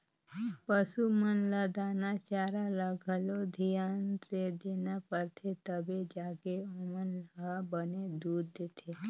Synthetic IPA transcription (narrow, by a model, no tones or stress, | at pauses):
pəsumənləd̪anat͡ʃaɾaləɡʱəlod̪ʱijansed̪enapəɾt̪ʰet̪əbed͡ʒaɡeomənləbəned̪uːd̪ːet̪ʰe